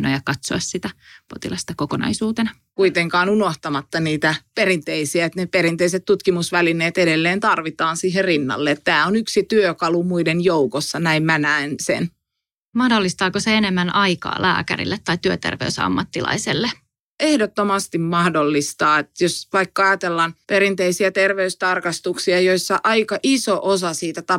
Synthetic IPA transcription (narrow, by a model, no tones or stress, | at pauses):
nojɑkɑt̪so̰ɑssit̪æpot̪ilɑst̪ɑkokonɑ̰isuːt̪enɑ | kuit̪eŋkɑːnunoht̪ɑmɑt̪ːɑniːt̪æperint̪eisiæet̪nepeɾint̪eiset̪t̪ut̪kimusʋælineːt̪edelːeːnt̪ɑrʋit̪ɑːnsiːɦerrinːɑ̰lːeet̪t̪æːonyksit̪yøkɑlumuidenjoukosːɑnæimmænæinsḛn | mɑhdolːist̪ɑːkoseenemːænɑikɑ̰ːlæ̰ːkæ̰ɾḭlːet̪ːɑit̪yøt̪ḛrʋeysɑ̰mːɑt̪ːilʔɑ̰iselːe | ehdot̪ːomɑst̪immɑhdolːist̪ɑːet̪josʋɑikːɑɑjɑt̪elːɑnpeɾint̪eisiæt̪erʋeyst̪ɑrkɑst̪uksiɑjoisːɑʔɑikɑʔisoʔosɑsiːt̪æt̪ɑ